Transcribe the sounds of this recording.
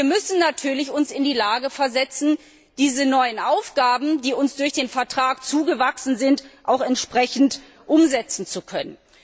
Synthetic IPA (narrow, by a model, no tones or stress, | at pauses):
iːɐmʏsn̩natʰyːɐlɪçʊnsɪndiːlaːɡəfɛɐzɛt͡sn̩ | d̥iːzənɔʏənʔaʊfɡ̥aːbm̩diːʊnsd̥ʊɐçd̥eːnfɛɐtʁ̥aːkt͡suːɡəvaksn̩zɪntʔaʊxɛntʃpʁ̥ɛçn̩t | ʔʊmzɛt͡sn̩t͡sukʰœnən